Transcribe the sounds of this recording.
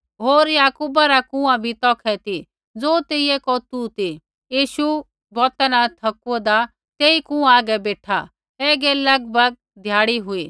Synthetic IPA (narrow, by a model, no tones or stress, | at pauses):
ɦoːɾjaːkuːbaɾakũːãbʱit̪ɔːkʰɛt̪i | d͡zoːt̪eːiekɔt̪ut̪i | jiːʃu | bɔːt̪anat̪ʰɐkuɔd̪a | t̪eːikũãaːɡɛbeːʈʰa̰ | ɛːɡɛlɐɡ̚bʱəɡ̚ | d̪ʱjaːɽiɦʊiː